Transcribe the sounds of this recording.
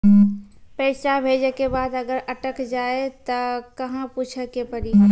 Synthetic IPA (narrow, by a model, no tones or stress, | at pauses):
pɛːsabʱeːd͡ʒəkebaːd̪ɐɡəɾʔɐʈəkd͡ʒaːet̪ɐkɐɦãpuːt͡ʃʰəkepəɾi